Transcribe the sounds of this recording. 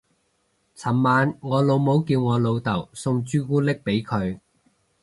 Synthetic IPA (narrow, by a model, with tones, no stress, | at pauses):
t͡sʰɐ˨˩mmaː˨˧nŋɔː˨˧lo˨˧wmo˨˥wkiː˧wŋɔː˨˧lo˨˧wt̪ɐ˨˩wsʊ˧ŋt͡ʃyː˥kuː˥lɪ˥k̚pe˨˥jkʰɵ˨˧ɥ